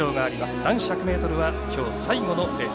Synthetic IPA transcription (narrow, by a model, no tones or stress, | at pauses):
o̞ːɡaːɾʲimasɨ̥d̪ãɰ̃ɕakɯ̟me̞ːt̪o̞ɾɯ̟βakʲo̞ːsaiɡo̞no̞d̪e